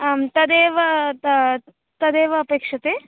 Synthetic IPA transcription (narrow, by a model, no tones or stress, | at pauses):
t̪ɐd̪eːʋɐ | t̪ɐd̪eːʋɐːpeːkʂɐt̪e